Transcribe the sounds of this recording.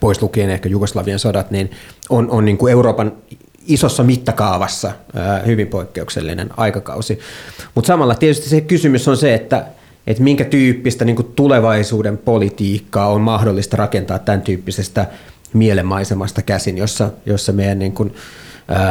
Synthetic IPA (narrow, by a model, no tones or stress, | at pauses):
poislukiːnehkæjuɡoslɑʋiensodɑt̪ninononniːŋkueuroːpɑn | isosːɑmit̪ːɑkɑuʋɑsːɑːhyʋimpoikːeuksḛlːḭnḛnɑikɑkɑ̰usimut̪sɑmɑlːɑt̪iet̪yst̪isekysymysonseet̪ːæ | ʔet̪miŋkæt̪yːpːist̪æniːŋkutt̪uleʋɑisuːdempolit̪iːkːɑːommɑhdolːist̪ɑrɑkent̪ɑːt̪t̪ːænt̪yːpːisest̪æ | mielemːɑisemɑst̪ɑkæsinjosːɑjosːɑmeijænniːŋkunəː